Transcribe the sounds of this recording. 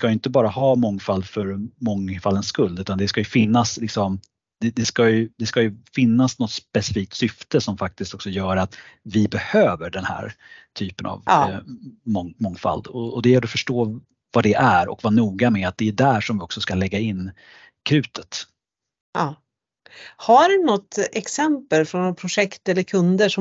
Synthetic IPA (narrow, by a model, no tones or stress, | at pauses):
skajʏɪnt̪əbɑːɾahɑːmɔŋːfald̪fœɾmɔŋfalːənskɵld̪ʉ̟ːt̪and̪ɛskajɵfɪnːaslɪksɔm | d̪̥ɛd̪ɛskajɵd̪ɛskajɵfɪnːasnɔt̪spɛsɪfiːk̚t̪sʏft̪əsɔmfak̚t̪ɪst̪ɔksɔjœːɾat̪vɪbɛhøːvəɖɛnhæ̰ːɾt̪ʰyːpəna̰v | mɔŋmɔŋfa̰ld̪ɔɔd̪ɛjɛlːəɾɔfœʂʈoː | vad̪ɛʔæɾɔ̰kvɑnuːɡamɛat̪̚d̪ɛæɖæʂɔmvɪɔksɔskalɛɡːaɪnː | kʰɾʉ̟ːt̪ʰə̥t̪ | ɑː | haɖʉnɔt̪ːɛksɛmpəlfɾɔnpʰɾʊʂɛkt̪ɛlːəɾkʰɵnd̪əʂɔ